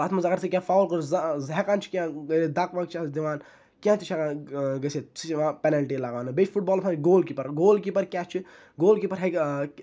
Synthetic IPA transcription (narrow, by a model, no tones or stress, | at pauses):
aːt̪ʰmazɐkɐɾsʰikʲjãːfaːwlkuɾzɦekaːnt͡ʃʰi̥kʲãːɾid̪aːkʋakt͡ʃʰasd̪iʋaːn | kʲãːt̪ʰit͡ʃʰekaɡɐsʰet͡sʰimãpɛnɐlʈilaɡaːnɨbeːt͡ʃʰfʰuʈ̚bɔːlpʰaːnɡoːlkipɐɾɡoːlkipɐɾkʲaːt͡ʃʰi | ɡoːlkipɐɾɦɐk